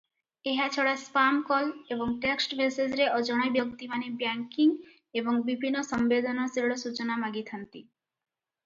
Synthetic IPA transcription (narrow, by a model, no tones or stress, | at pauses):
eɦat͡ɕʰoɽaspamkɔleboŋʈeksʈbʱesezɾeʔɔd͡ʑɔɽ̃ɔjbjɔkt̪imanebjaŋkiŋ | eboŋbibʱinːosɔmbed̪ɔnɔsiɽosut͡ɕonamaɡit̪ʰant̪i